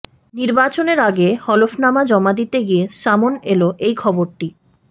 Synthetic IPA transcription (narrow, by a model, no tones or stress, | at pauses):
niɾbat͡ɕoneɾaɡehɔlofnamad͡ʑɔmad̪it̪eɡieʃamoneloʔejkʰɔboɾʈi